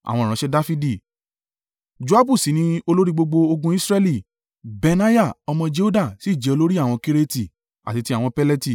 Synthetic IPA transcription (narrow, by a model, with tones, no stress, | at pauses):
a̰˨w̃ɔ̃˧˨ɾã˨˦ʃɛ˦da˦fi˦di˦˨ | d͡ʒu˦a˦bu˦˨si˨˦nĩ˧˦o˧lo˦ɾi˦ɡ͡bo˧ɡ͡bo˧o˧ɡũ˧˦i˦sɾɛ˦li˦˨ | be˧nã˦ja˦˨ɔ˧mɔ̃˧d͡ʒe˦o˦da˦˨si˨˦˨d͡ʒɛ˨o˧lo˦ɾi˦a˦˨w̃ɔ̃˧ki˦ɾe˦ti˨ | a̰˨ti˧ti˧˦a˦˨w̃ɔ̃˧pɛ˦lɛ˦ti˦˨